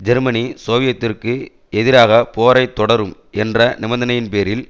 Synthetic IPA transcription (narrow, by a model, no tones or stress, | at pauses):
d͡ʒɛɾmɐnisoːʋɪjɐt̪ːɪrkɯ | ɛðɪɾaːɣɐpoːɾɐɪt̪ːɔɽɐɾɯm | ɛndrɐnɪmɐnd̪ɐnɐjɪnpeːɾɪl